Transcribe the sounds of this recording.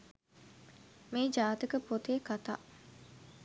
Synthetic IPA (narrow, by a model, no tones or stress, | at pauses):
meːd͡ʒaːt̪ikəpot̪eːkat̪a̰ː